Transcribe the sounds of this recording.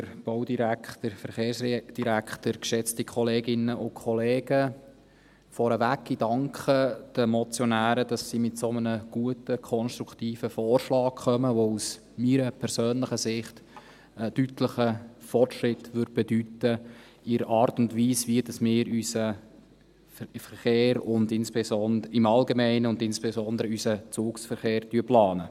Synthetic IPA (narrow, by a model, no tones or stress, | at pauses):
əɾb̥ɔdiɾæktəɾfəɾχeːɾsd̥iɾækχtəɾkʃɛt͡stikʰɔleːɡɪnəʔʊkʰχɔleːɡ̥ə | fɔɾəʋæɡɪd̥ɑŋkχəd̥əmɔt͡sjɔnæːɾəd̥ɑsːimɪtsomənəɡ̥uətəkʰɔnʃtɾukʰtiːfəfɔːrʃlɑːkχœməʋous | miːɾəpʰɛɾsøːnləχəsɪχt | əd̥ytləχəfɔrtʃɾɪtʋʏɾd̥̚b̥ɛdytə | ɪɾəʔɑːrtʊndviːsʋiəd̥ɑsmɪːɾysə | fəɾχeːɾʊndɪnspesɔndɪmɑlɡemɛɪnəʊndɪnsb̥esɔnd̪əɾəysət͡suːksfəɾχeːɾtyəplɑːnə